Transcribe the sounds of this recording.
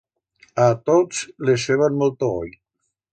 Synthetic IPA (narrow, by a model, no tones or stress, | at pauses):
at̪osleseβanmɔlˠt̪oo̰j